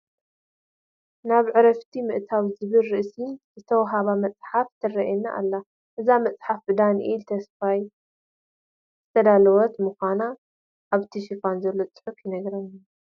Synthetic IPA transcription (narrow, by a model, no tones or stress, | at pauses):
naβʕɨɾɐft̪ʰimɨʔt̪ʰawzɨβɨlɾɨʔsinzɨt̪ʰɐwɦaβamɐt͡sʼħaft̪ʰɨrɐʔɛna̰ʔa̰lːa | ʔɨzamɐt͡sʼħafbɨd̪anʔilt̪ʰɐsfaj | zɨt̪ʰɐd̪alɐwɔt̪mɨxʷana | ʔːβt̪ʰiʃifanzɐlːo̞t͡sʼɨ̥ħʊfjɪnɐɡɾɐnːa